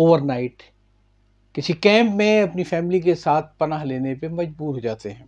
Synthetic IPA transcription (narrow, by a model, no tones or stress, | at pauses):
oːʋəɾnaːɪʈ | kɪsikɛ̃ːmpmẽɐpnifɛːmɪlikesaːt̪ʰpɐnaːɦleːnepemɐd͡ʒbuːɾɦoːd͡ʒaːt̪eɦɛ̃ː